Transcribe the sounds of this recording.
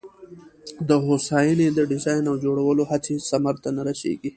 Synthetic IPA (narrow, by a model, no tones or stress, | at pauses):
d̪əɦosajined̪əɖɪzajnawd͡ʒoɽawəlohat͡sisamaɾt̪anaɾaʃḛɡi